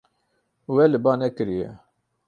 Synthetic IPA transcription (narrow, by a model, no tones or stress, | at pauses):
wɛlɨbɑːnɛkɨɾijɛ̰